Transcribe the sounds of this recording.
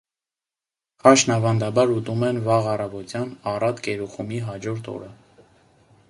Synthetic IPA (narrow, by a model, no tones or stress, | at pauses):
χɑʃnɑvɑnd̪ɑbɑɾut̪umɛnvɑʁɑrɑvɔt̪jɑnɑrɑt̪kɛɾuχumiɦɑd͡ʒɔɾt̪ʰɔ̰ɾə